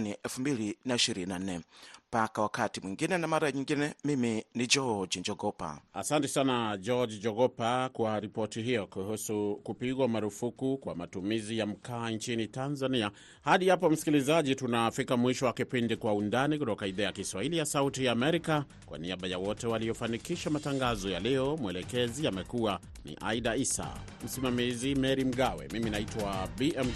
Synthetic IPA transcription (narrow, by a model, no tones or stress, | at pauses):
niʔɛlfumbilinaiʃiɾinan̩nɛm̩pakawakatimwiŋɡinɛnamaɾaɲiŋɡinɛmiminid͡ʒɔd͡ʒd͡ʒɔɡɔpa̰a̰santɛsanad͡ʒɔd͡ʒid͡ʒɔɡɔpakwaɾipɔtiɦijɔkuhusukupiɣwamaɾufukukwa̰matumizijam̩kaːnt͡ʃinitanzania | haɗihapɔm̩si̥kilizaʄitunafikamwiʃɔwakipindikwaundanikutɔkaiðaajakiswahilijasautijaːmɛɾika | kwa̰niaɓajawɔtɛwalijɔfanikiʃamataŋɡazɔjalijɔmwɛlɛkɛziamɛkuwa | nḭʔa̰iɗaisa̰ | m̩simamizimɛɾim̩ɠawɛ̰miminaitwabiʔɛm